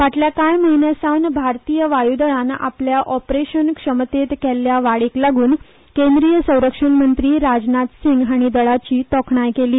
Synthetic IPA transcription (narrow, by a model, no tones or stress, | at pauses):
ʋaʈljakajməɦinjasawnbʱaɾt̪ijəʋajud̪əɭãna̰pljaʔɔpɾeɕənkʂəmt̪et̪kɛlːjaʋaɭiklaɡuːn | kend̪ɾijəsə̃w̃ɾəkʂənmənt̪ɾiːɾad͡znat̪siŋɡɦaɽ̃id̪əɭat͡ɕiːt̪ɔkʰɳajkeliː